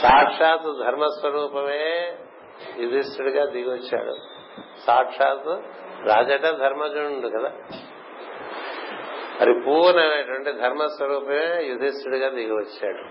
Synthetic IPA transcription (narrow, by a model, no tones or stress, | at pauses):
saːʈʂaːt̪ud̪ʱɐɾmɐsʋɐɾuːpɐmeː | jud̪ʱist̪uɽiɡaːd̪iɡiʋɐt͡ʃːa̰ːɽṵ | saːʈʂaːt̪uɾaːd͡ʒɐʈɐd̪ʱɐɾmɐd͡ʒuɳɖukɐd̪aː | ɐ̰ɾipuːɾnɐmeɐʈʋɐɳʈeːd̪ʱɐɾmɐsʋɐɾuːpɐmeːjud̪ʱist̪ɾuɽiɡaːd̪iɡiʋɐt͡ʃːa̰ːɽu